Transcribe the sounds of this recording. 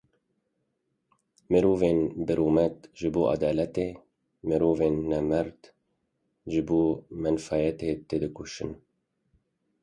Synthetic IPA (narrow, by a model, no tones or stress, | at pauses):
mɨɾoːveːnbɨɾuːmɛt̪ʒɨboːʔɑ̰d̪ɑːlɛt̪eː | mɨɾoːveːnːɛmɛɾd̪ | ʒɨboːmɛnfɑːjɛt̪et̪eːd̪ɨkuʃɨn